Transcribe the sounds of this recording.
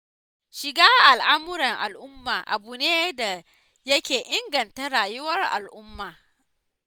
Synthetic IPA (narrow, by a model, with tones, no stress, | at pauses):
ʃɪ˨ɡaː˦ʔa˨lʔa˦mʊ˦ɾɐ˨ŋʔa˨lʔʊ˦mːaː˨ʔa˨buː˨neː˦da˨ | jɐ˦kʲeː˨ʔɪ˦ŋɡɐ˨nta˦ɽaː˨jʊ˦wɐ˦rʔa̰˨lʔʊ˦mːaː˨